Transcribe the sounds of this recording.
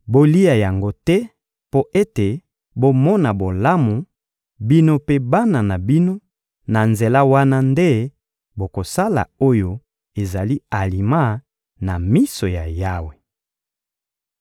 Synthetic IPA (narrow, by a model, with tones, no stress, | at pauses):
bo˦li˦a˨ja˨ŋɡo˦tɛ˦ | po˦ʔe˦te˨ | bo˦mɔ˦na˨bo˨la˦mu˨ | bi˦no˦pe˦ba˦na˨na˨bi˦no˦ | na˨nze˨la˦wa˦na˦nde˦ | bo˨ko˨sa˦la̰˨o˦jo˦ | e˨za˨li˦a˨li˨ma˦ | na˨mi˦so˨ja˨ja˦we˨